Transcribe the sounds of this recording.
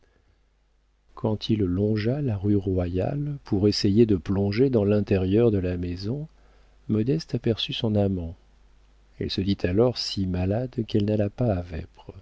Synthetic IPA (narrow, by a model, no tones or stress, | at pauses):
kʰɑ̃t̪ʰilːɔ̃ʒalaʁyʁwaja̰lpʰuʁesejed̪əplɔ̃ʒed̪ɑ̃lɛ̃t̪ɛʁjœʁd̪əlamezɔ̃ | mɔd̪ɛst̪apɛʁsysɔ̃namɑ̃ | ɛ̰lsəd̪it̪ʰalɔʁsimalad̪kɛlnalapaːvɛ̰pʁ